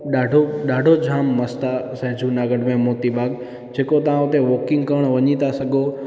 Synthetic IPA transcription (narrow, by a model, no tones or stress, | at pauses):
ɗaːɖʱoɗaːɖʱod͡ʑʱaːmːɐst̪asɛ̃ːd͡ʑʱunaːɡəɖmẽmoːt̪iɓaːɡ | d͡ʑeːkot̪ɐʋ̤ãʊt̪eʋɔːkɪ̃ŋɡkɐəɽ̃ʋɐɲit̪asɐɡʱo